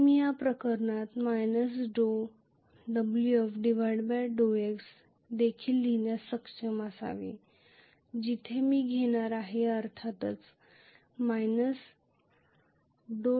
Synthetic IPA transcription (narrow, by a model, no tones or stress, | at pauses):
mijapɾəkəɾɳat̪majnəs̬ɖo | ɖəbljuɔfɖiʋəɽbɛɖoeks | d̪ekʰiːlːinjasəkɕemasa̰ʋḭ | d͡ʑit̪ʰemiːɡʱeɽ̃aɾaɦeəɾt̪ʰat̪ət͡s | majnəs | ɖo